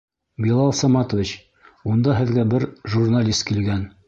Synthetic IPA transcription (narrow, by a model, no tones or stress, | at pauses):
bʲilˠɑlˠsɑmɑt̪ŏvʲit͡ɕ | und̪ɑɦɘ̆ðɡæbɘɾʒurnalʲist̪̚kilɡæn